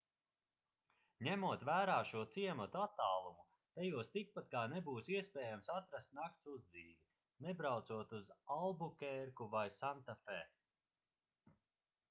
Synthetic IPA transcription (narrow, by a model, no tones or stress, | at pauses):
ɲæmuɔt̪væːɾaːʃuɔt̪siɛmat̪uat̪ːaːlˠumu | t̪ɛjuɔst̪ik̚pat̪̚kaːnebuːsiɛspɛːjamsat̪ɾast̪nak̚t̪suzd̪ziːvi | nebɾawt̪suɔt̪uzalˠbukʲɛɾkuvajsant̪afɛ